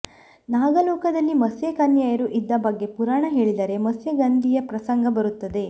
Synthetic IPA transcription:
naːɡɐlɔːkɐd̪ɐlːimɐsjekɐnjaːjɐɾuʔid̪ːɐbɐɡːe̞puɾaːɳɐɦe̞ːɭid̪ɐɾe̞mɐsjɐɡand̪ʱijɐpɾɐsɐŋɡɐbɐɾut̪ːɐd̪e̞

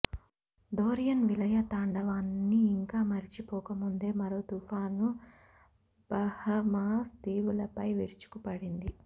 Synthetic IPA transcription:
ɖoːɾijɐnʋilɐjɐt̪aːɳɖɐʋaːnːiːŋkaːmɐɾit͡ʃipɔːkɐmund̪e̞ːmɐɾoːt̪ufʰaːnu | b̥ɐhɐmaːst̪iːʋulɐpɐjʋḭɾit͡ʃu̥kupɐɽind̪i

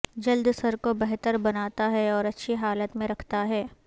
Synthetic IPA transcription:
d͡ʒɐld̪sɐɾkobɛɦt̪əɾbɐnaːt̪aɦɛɔːɾɐtːʃʰiɦaːlət̪mẽɾɐkʰt̪aɦɛː

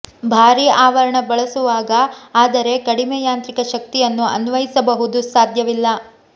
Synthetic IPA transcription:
bʱaːɾiaːʋɐɾɐɳɐbɐɭɐsuʋaːɡɐaːd̪ɐɾe̞kɐɽimɛːjaːnt̪ɾikɐʃɐk̚t̪ijɐnːuɐ̰nʋɐjisɐbɐɦud̪usaːd̪ʱjɐʋilːɐ

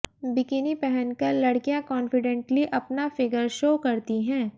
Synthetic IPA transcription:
bɪkɪnipɛɦɛnkɐɾlɐɽkijãkɔ̃ːnfɪɖɛ̃ɳʈliʔɐpnafɪɡəɾʃoːkɐɾt̪iɦɛ̃ː

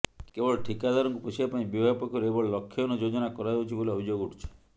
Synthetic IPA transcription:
kebɔɭɔʈʰikad̪ʱaɾɔŋkupɔt͡ʃʰibapaĩbibʱaɡɔpɔkʰːɔɾɔebɔɭɔlɔkʰːjɔnɔd͡ʒod͡ʒɔnakɔɾad͡ʒut͡ʃʰiboliɔbʱid͡ʒoɡuʈʰi̥t͡ʃʰɔ̥

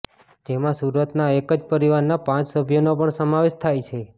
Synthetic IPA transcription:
d͡ʒemãsuɾət̪naekəd͡ʒpəɾiʋaɾnapãt͡ʃsəbʱjonopəɳsəmaʋeʃt̪ʰajt͡ʃʰe

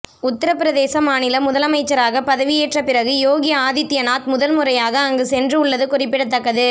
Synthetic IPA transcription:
ʊt̪ːɐɾɐpɪɾɐðeːsɐmaːnɪlɐmʊðɐlɐmɐɪt͡ʃːɐɾaːɣɐpɐðɐʋɪjeːʈrɐpɪɾɐɣɯjoːɣɪjɐaːðɪt̪ːɪjɐnaːt̪mʊðɐlmʊɾɐjaːɣɐːŋɡɯsɛndrɯʊɭːɐðɯkʊrɪpːɪɽɐt̪ːɐkːɐðɯ

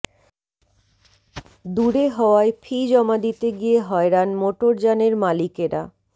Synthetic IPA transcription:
d̪uɾeɦɔoaepʰid͡ʑɔmad̪it̪eɡijeɦɔeɾanmoʈoɾd͡ʑaneɾmalikeɾa̰

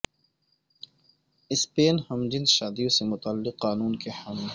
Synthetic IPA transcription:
ɪspeːnhɐmd͡ʒɪnzʃaːd̪iõsemʊt̪alːɪqːaːnuːnkeħaːmɪl

